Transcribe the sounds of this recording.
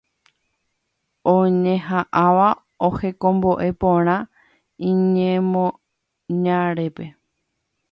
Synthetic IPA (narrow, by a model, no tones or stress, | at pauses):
õɲẽɦaʔaʋa | ohe̞kõ̞mbo̞ʔe̞põɾ̃ã | ĩɲẽmõ | ɲãɾepe̞